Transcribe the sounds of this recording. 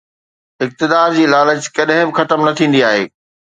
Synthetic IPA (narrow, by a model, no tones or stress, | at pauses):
ɪk̚t̪ɪd̪aːɾd͡ʑiːlaːləd͡ʑkɐɗɦɪ̃bɪxɐt̪əmnɐt̪ʰĩːn̆d̪iaːɦḛː